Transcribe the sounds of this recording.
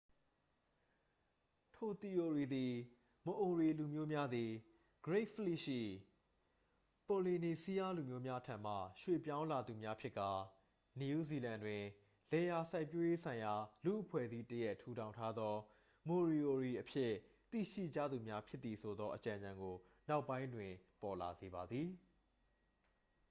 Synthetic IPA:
tʰo˨t̪i˨ʔo˨ɹi˨d̪i˨ | mə˨ʔo˨ɹi˨lu˨mjo˦mja˦d̪i˨ | ɡ̥əɹe˦ɪʔfəli˦˨ʃḭ˦˨ | po˨li˨ni˨si˦ja˦lu˨mjo˦mja˦tʰã̰˨m̥a̰˦˨ʃwḛ˦˨pjã˦ʊ̃la˨d̪u˨mja˦pʰjɪ˦ʔkːa˨ | ni˨ju˦zi˨lã˨ndwɪ̃˨ | lɛ˨ja˨sa˦ɪpːjo˦je˦sʰã˨ɪ̃ja˨lṵ˦˨ʔəpʰwɛ̰˦˨zi˦təjɛ˦ʔtʰu˦ɾʰã˨ʊ̃ntʰa˦d̪ðɔ˦ | mo˨ɹi˨ʔo˨ɹi˨ʔəpʰjɪ˦˨ | t̪ḭ˦˨ʃḭ˦˨d͡ʑa̰˦˨d̪u˨mja˦pʰjɪ˦t̪ːi˨sʰo˨d̪ɔ˦ʔət͡ɕã˨ɲã˨ŋɡo˨ | na˦ʊpːã˦ɪ̃ndwɪ̃˨pɔ˨la˨ze˨ba˨d̪ði˨

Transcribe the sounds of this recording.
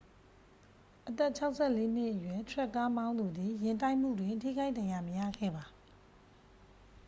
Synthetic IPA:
ʔət̪ɛ˦ʔt͡ɕʰa˦ʊʔsʰɛ˦˨le˦n̥ɪ˦ʔəjwɛ˦˨tʰwɛ˦˨kːa˦mã˦ʊ̃nd̪u˨d̪i˨jɪ̃˨ntã˦ɪʔm̥ṵ˦˨dwɪ̃˨tʰḭ˦˨ɡa˦ɪʔt̪ã˨ja˨məjä̰˦˨ɡʰɛ̰˦˨ba˨

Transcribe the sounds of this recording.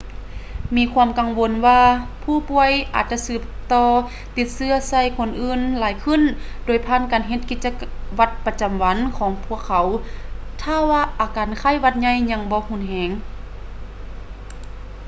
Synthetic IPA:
miː˧kʰu˧əmka˨ŋwo˧nwaː˧pʰuː˧˩pu˧˥əjʔa̰ː˨˩t̪̚t͡ɕa˧sɯː˧˩p̚t̪ɔː˧ | t̪i˧˦t̪̚sɯ˧ɐsa˧˩˨jkʰo˧˨nʔɯː˧˥˨nlaː˨˦jkʰɯ˧˨n | doː˨˩jpʰaː˧˥˨nkaː˨nɦe˧t̪̚ki˧t̪̚t͡ɕa˧ | wa˧t̪̚pa˧t͡ɕa˨˩mwa˨˧˦nkʰɔː˨˦ŋpʰu˧˩˨əkʰːa˨˦w | t̪ʰa˧˥˨waː˧˩ʔaː˨˩kaː˨nkʰa˧˥˨jwa˧˥t̪̚ɲa˧˥˨jɲa˧˥ŋbɔː˧˦hu˧˥˨nɦɛː˨˦ŋ

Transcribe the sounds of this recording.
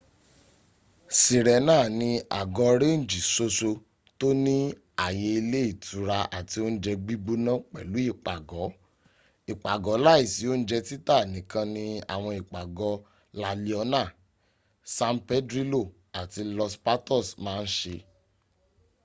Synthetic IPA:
si˨ɾɛ˨˦nãː˦˨nĩ˧a̰˨ɡɔ˧ɾẽ˦˨n̩˨d͡ʒi˨so˧so˧ | to˦nĩ˦ | a˨je˧i˧le˦i˦˨tu˨ɾa˧a̰˨ti˧o˦n̩˦d͡ʒɛ˧ɡ͡bi˦ɡ͡bu˦nã˦k͡pɛ̰˨lu˨˦i˦˨k͡pa˨ɡɔ˨˦ | i˨k͡pa˨ɡɔ˨˦la˦i˦˨si˨˦o˦n̩˦d͡ʒɛ˧ti˦ta˦˨nĩ˨˦kã˧nĩ˧a̰˨w̃ɔ̃˧i˨k͡pa˨ɡɔ˧˦ | la˨li˧ɔ˧nã˦˨ | sã˧m˦pɛ˦dɾi˦lo˦˨ | a˨ti˧lɔ˧spa˦tɔ˦˨smãː˦n̩˦ʃe˧

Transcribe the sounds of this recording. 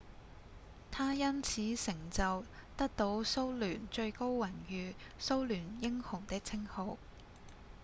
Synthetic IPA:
t̪ʰaː˥jɐ˥nt͡sʰiː˨˥sɪ˨˩ŋt͡sɐ˨wt̪ɐ˥k̚t̪o˨˥wso˥wlyː˨˩nt͡ʃɵ˧ɥko˥wwɐ˨˩njyː˨ | so˥wlyː˨˩njɪ˥ŋhʊ˨˩ŋt̪ɪ˥k̚t͡sʰɪ˥ŋho˨˧w

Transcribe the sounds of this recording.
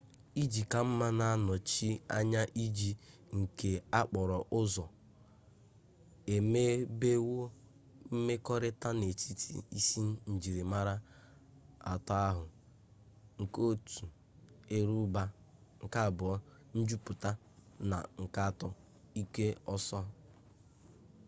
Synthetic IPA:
i˦d͡ʒi˨ka˨m̩˦ma˦na˨a˦nɔ˨t͡ʃi˦a̰˦ɲa˦ʔi˦d͡ʒi˨ŋ̩˨ke˨a˦k͡pɔ˨ɾɔ˨ʔʊ˦zɔ˨ | e˨me˦be˦wo˦ | m̩˦me˦kɔ˦ɾɪ˦ta˦ne˨t͡ʃi˦tʰḭ˨i˦si˦n˦n̩˨d͡ʒi˨ɾi˨ma˦ɾa˦ | a̰˨tɔ˦a˦ɦʊ˨ | ŋ̩˨ko˦˨tu˨ | e˦ɾu˦ba˦ | ŋ̩˨ka˦˨bʊ˨ɔ˦ | n̩˦d͡ʒu˦pʊ˨ta˦ | na̰˨ŋ̩˨ka˦˨tɔ˦ | i˦ke˦ɔ˦sɔ˦ɦ

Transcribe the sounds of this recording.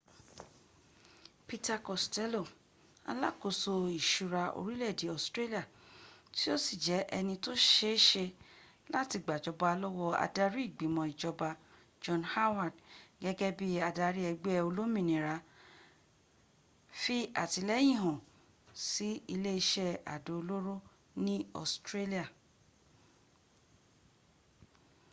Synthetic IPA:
pi˧ta˧kɔ˨stɛ˦lo˦˨ | a̰˧la˦˨ko˨˧so˧i˨ʃu˨˧ɾa˧o̰˧ɾi˦lɛ˦˨di˨˦ɔ˦˨stɾe˦li˦a˦˨ti˦o˦si˦˨d͡ʒɛ˨˦ʔɛ˧nĩ˧to˦ʃe˧˦ʃe˧ | la˦ti˧ɡ͡ba˨d͡ʒɔ˧ba˨˧lɔ˦wɔ˦a̰˧da˦˧ɾi˦i˦˨ɡ͡bĩ˨˦mɔ̃˧i˨d͡ʒɔ˧ba˧ | d͡ʒɔ̃˧nha˦wa˦˨dɡɛ˦ɡɛ˦bi˦a˧da˧ɾi˦ɛ˧ɡ͡be˦ɛ˧o˧lo˦mĩ˦˨nĩ˨ɾa˧˦ | fi˦a̰˦˨ti˧lɛ˦j̃ĩ˦˨ɦɔ̃˨ | si˨˦i˧le˦i˧ʃɛ˦a̰˨do˨o˧lo˦ɾo˦ | nĩ˦ɔ̰˦˨stɾe˦li˦a˦˨

